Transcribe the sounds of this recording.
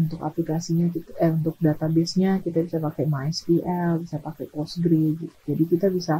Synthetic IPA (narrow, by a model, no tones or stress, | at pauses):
unt̪ʊka̰plikasiɲakit̪unt̪ʊk̚dat̪abɛsɲakit̪abisapakɛmaɛspiʔɛlbisapakɛpɔsɡɾeɡit̪u̥d͡ʒadikit̪abisa